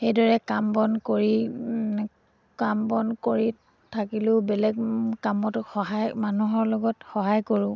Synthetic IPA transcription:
xejdɔɹɛkambɔnkoɹi | kambɔnkoɹi | tʰakilʊbɛlɛɡkamɔtxɔɦajmanuɦɔɹlɔɡɔtxɔɦajkoɹʊ̃

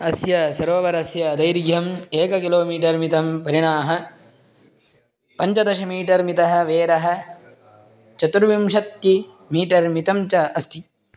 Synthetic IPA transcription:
ɐsjɐsɐɾoːʋɐɾɐsjɐd̪ɐjɾɡʱjɐmeːkɐkiloːmiːʈɐɾmit̪ɐmpɐɾiɳaːɦɐ | pɐɲt͡ʃɐd̪ɐʃɐmiːʈɐɾmit̪ɐɦɐ̆ʋeːɾɐɦɐ̆ | t͡ʃɐt̪uɾʋimʃɐt̪̚ki | miːʈɐɾmit̪ɐmt͡ʃɐɐst̪ʰi

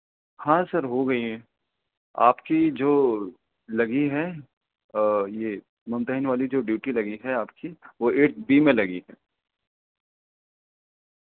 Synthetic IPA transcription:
hãːsɐɾɦoɡɐiɦɛ̃ː | a̰ːpkid͡ʒoː | lɐɡiɦɛ | je | mʊ̃nt̪əɦɪnʋaːlid͡ʒoːɖjuːʈilɐɡiɦɛaːpkiʋoeːʈ̚biːmẽlɐɡiɦɛː

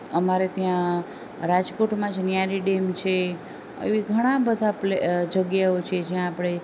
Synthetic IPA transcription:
əmaɾet̪jã | ɾad͡ʒkoʈmãd͡ʒnjaɾiɖemt͡ʃʰe | ə̰eʋiɡʱəɽ̃ãbəd̪ʱapled͡ʒəɡjaot͡ʃʰed͡ʒjãːpɽ̃e

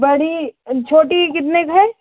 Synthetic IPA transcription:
bɐɽit͡ʃʰoːʈikɪt̪nekɦɛː

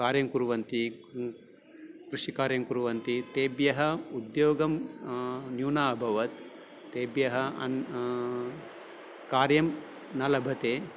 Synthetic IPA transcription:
kaːɾjɐmkuɾuʋɐnt̪i | kɾuʂikaːɾjɐmkuɾuʋɐnt̪it̪eːbjɐɦɐud̪joːɡɐm | njuːnaːɐbʱɐʋɐt̪ː | eːbjɐɦɐɐ̰n | kaːɾjɐm | nɐlɐbʱɐt̪eː

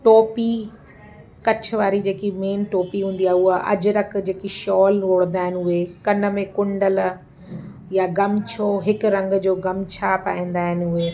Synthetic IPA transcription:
ʈoːpi | kɐt͡ɕ̆ʰʋaːɾid͡ʑeːkimeːnʈoːpiɦũːn̆d̪iaːɦʊɦəʔɐ̰d͡ʑʊɾɐkd͡ʑeːkiʃɔːlɾoːɽ̃ənd̪aːɪnuɦekɐnə̆mẽkʊ̃ɳɖəl | jaɡɐmt͡ɕʰoːɦɪkɾɐ̃ŋɡd͡ʑoːɡɐmt͡ɕʰapaːĩːn̆d̪aːɦɪnʊɦeː

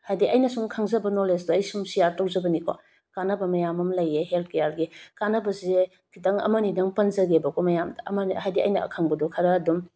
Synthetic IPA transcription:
hajdiʔɐjnɐsuŋkʰaŋzɐbɐnolesdoɐjsuŋsijaɾtɐwzɐbɐnikʰo̰ | kanɐbɐmɐjamɐmlɐjːeɦelt̚ʰkejalɡikanɐbɐse | kʰitɐŋɐ̰mɐnidɐŋpɐnzɐɡebɐkomɐjamdɐɐmɐnhajdiɐ̰jnɐɐ̰kʰaŋbɐdɔkʰɐɾɐːdum

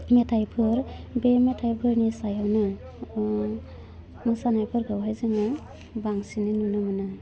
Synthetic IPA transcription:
metʰajpʰɯɾbemetʰajpʰɯɾnisajawnɯ | mɯsanajpʰɯɾɡawɦajzɯŋa | baŋsininunɯmɯnɯ

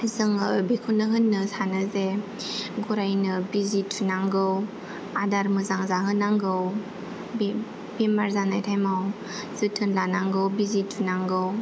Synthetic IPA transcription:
zɯŋbikʰunːɯɦɯnːɯsanɯze | ɡuɾajnɯbizitʰːunaŋɡɯw | adaɾmɯzaŋzaɦɯnaŋɡɯw | b | bimaɾzanajtʰajmaw | z̥ɯtʰɯnlanaŋɡɯwbizitʰːunaŋɡɯw

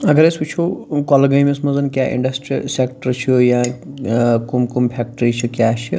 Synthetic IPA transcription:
ɐɡəɾesut͡ʃʰokɔlɡɐimesmɐzɐnkʲjaʔḭɳɖɐsʈɾḭsekʈəɾt͡ʃʰija | kumkumpʰek̚ʈəɾit͡ʃʰikʲjat͡ʃʰi

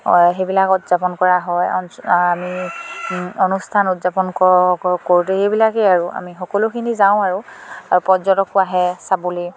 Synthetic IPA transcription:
ɦejbilakutz̥apɔnkɔɹaɦɔjɔnami | ɔnustʰanutzapɔnkɔkoɹutɛhejbilakɛaɹua̰mixɔkɔlʊkʰinizaʊ̃aɹʊaɹupɔzɔtɔkʊaɦɛsabuli

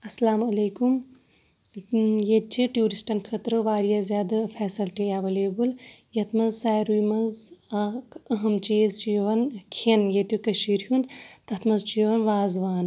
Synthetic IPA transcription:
ɐsɐlaːmɐleːkum | jet͡ʃʰiʈjuːɾisʈɐnkʰɐt̪ɾɨʋaːɾijazʲjaːd̪ɐfʰɛːsɐlʈiaʋɐleːbuljɐt̪ʰmɐzsaːjɾujmɐnzɐkɐɦɐmt͡ʃeːzt͡ʃijoʋɐnkʰenjet̪jukɐʃiːɾɦunt̪ɐt̪ʰmɐzt͡ʃijɐʋɐnʋaːzʋaːn

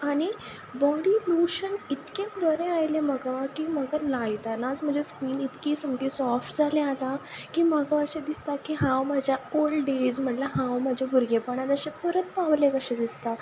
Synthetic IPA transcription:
aɽ̃i | ʋɔɽiːluɕənit̪kẽɖəɾẽajlem̤əɡakim̤əɡalajt̪anad͡zm̤əd͡zʱeskʋiːnit̪kiːsəmɡisɔfʈd͡zʱalealakĩm̤əɡaəɕẽd̪ist̪akiɦãwmad͡ʑʱjaolɖed͡zm̤əʈlaɦãwmad͡ʑʱebʱuɾɡepəɳad̪əɕepəɾət̪̚paʋlẽkəɕẽd̪ist̪a

